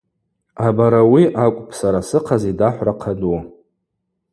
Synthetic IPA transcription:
abaɾawiʔakʷʼpʰʼsaɾasɨqʰazidaħʷraqʰadua

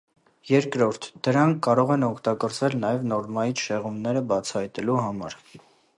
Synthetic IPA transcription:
jɛɾkɾɔɾt̪ʰd̪̥əɾɑŋkʰːɑɾɔʁɛnɔkʰt̪ɑkɔɾt͡svɛlnɑjɛvnɔɾmɑjit͡sʃɛʁumnɛɾəbɑt͡sʰɑhɑjt̪ɛluɦɑmɑ̰ɾ

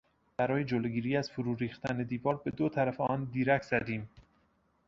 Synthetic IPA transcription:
b̥æɾɒːje̞d͡ʒoloɡiːɾiːæz̥foɾuːɾiːxt̪æne̞d̪iːvɒːɾbe̞d̪ot̪ʰæɾæfeɒːnd̪iːɾækʰz̥æd̪iːm

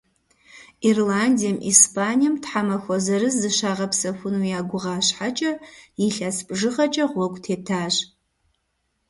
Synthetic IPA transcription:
irlaːndijɛmʔḭːspʰaːnijɛmtħamɐxʷɔzɐɾɨzːɨʃaːʁɐpsɐfʷʊnujaːɡʷʊʁaːɕħat͡ʃʼɐjɪɬaspʼʐɨʁɐt͡ʃʼɐʁʷɔkʷʼtʰeːtʰaːɕ

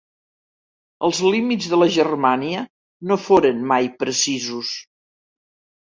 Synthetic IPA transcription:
əlˠzlimid͡zðələʒərmaniə | nofoɾənmajpɾəsizus

